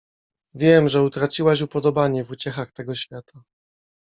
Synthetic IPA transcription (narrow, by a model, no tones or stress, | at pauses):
vʲjɛmʐɛut̪ɾat͡ɕiwaɕ̬upɔd̪ɔbaɲɛvut͡ɕɛxaxt̪ɛɡɔɕfʲjat̪ʰa